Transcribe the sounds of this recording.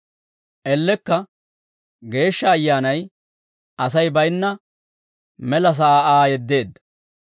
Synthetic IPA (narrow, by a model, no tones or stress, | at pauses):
ʔɛlːɛkːɐ | ɡe̞ːʃːɐːjːaːnɐj | ʔɐs̬ɐjbɐjnːɐ | mɛlɐs̬ɐaːʔaːjɛd̪ːe̞ːd̪ːɐ̥